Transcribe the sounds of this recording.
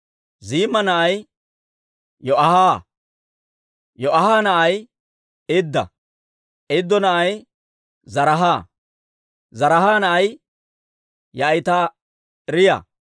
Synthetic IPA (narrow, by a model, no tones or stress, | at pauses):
ziːmɐnɐʔɐj | jɔʔɐhaː | jɔʔɐhaːnɐʔɐj | ed̪ːɐ̰ | ɪd̪ːɔnɐʔɐj | zɐɾɐɦaː | zɐɾɐhaːnɐʔɐj | jɐjt̪aː | ɾɪjɐ̰